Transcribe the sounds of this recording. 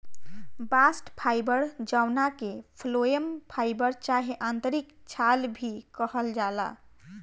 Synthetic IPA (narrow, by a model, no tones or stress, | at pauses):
basʈpʰajbəɾd͡ʒawnakepʰlojəmpʰajbəɾt͡ʃaɦeʔant̪əɾikt͡ʃʰalbʱikəhəld͡ʒala̰